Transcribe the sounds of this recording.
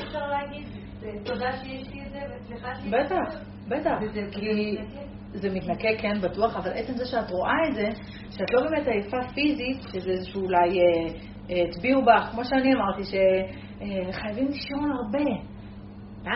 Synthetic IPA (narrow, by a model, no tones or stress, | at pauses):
efʃaʁlaːɡid̪ | t̪od̪aʃejeʃliezeveliabet̪aχ | betaχki | zemitnakekenbatuaχavalʔe̞t͡se̞mzeʃeatʁo̞ʔaetze̞ | ʃeatlo̞bemetajfafizitʃezeezeʃuːlajeː | tbiubaχkmo̞ʃeaniamaʁtiʃe̞ | eχajavimliʃonaʁbe̞